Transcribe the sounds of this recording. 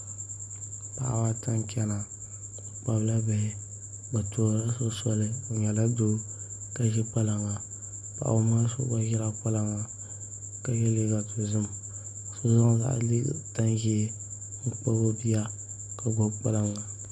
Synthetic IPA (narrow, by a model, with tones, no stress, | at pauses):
pa̰˨ʔa̰˨wa˦ta˦nkʲɛ˦na˨ | k͡pa˦bla˦bɛ˨ | ba˨to˨ɾla˦so˦sɔ˦lɨ˦o˨ɲɛ˨la˦do˦ | ka˦ʒɛ˦k͡pa˦la˨ŋːa˨ | pa̰˨ʔa̰˨o˨ma˦so̰˦ba˦ʒɛ˦la˦k͡pa˦la˦ŋa˨ | ka˨jɛ˦li˦ɡa˨to˨zɨ˦m | so˨za˦ŋ˦za̰˨lḭ˦˨ta˦nʒɛ˦ | ŋ̩˦k͡pa˦bo˦bi˦ja˦ | ka˨bo˨k͡pa˦la˦ŋːa˨